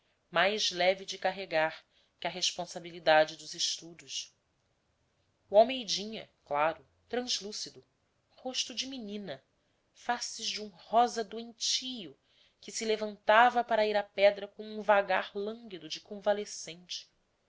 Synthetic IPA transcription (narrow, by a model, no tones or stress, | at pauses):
majzlɛvid͡ʒɪkaɦeɡaɾ | kʲɪɐɦeʃpõsabilid̪ad͡ʒɪd̪ʊzɪʃt̪ud̪ʊʃ | wawmejd͡ʒĩɲɐklaɾʊ | t̪ɾɐ̃zlusid̪ʊ | hoʃt̪ʊd͡ʒɪminĩnɐ | fasɪʒd͡ʒũhɔzɐd̪uẽnt͡ʃijʊ | kɪsilevɐ̃nt̪avɐpaɾɐiɾapɛd̪ɾɐkõũvaɡaɾlɐ̃ŋɡid̪ʊd͡ʒɪkõvalesẽnt͡ʃɪ̥